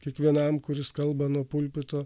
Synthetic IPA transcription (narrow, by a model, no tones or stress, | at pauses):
kʲiɛkʋʲiɛnɐmkʊɾʲɪskɐlˠbɐnuɔpʊlʲpʲɪt̪oː